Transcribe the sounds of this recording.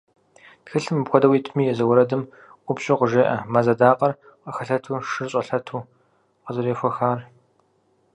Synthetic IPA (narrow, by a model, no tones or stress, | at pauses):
txɨɬɨmɨpxʷɔdɐwiːtʰmiːjɛzɐwʊɾɐdɨm | ʔʷʊpɕʼɪqəʒeːʔɐmazɐdaːqɐr | qəxɐɬɐtʰuːʂɨrɕʼɐɬɐtʰuː | qəzɨɾeːfʷɔxaːr